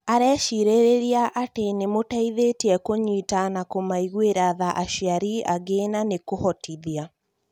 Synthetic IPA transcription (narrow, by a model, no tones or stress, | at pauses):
aɾɛːʃiɾeɾeɾiaʔatenemotaiðetiɛkoɲitanakomaiɣweɾaðaʔaʃiaɾiaɡenanekohɔtʰiðia